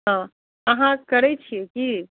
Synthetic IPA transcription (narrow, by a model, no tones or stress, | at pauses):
ɦã | əɦãkɐɾet͡ʃʰieki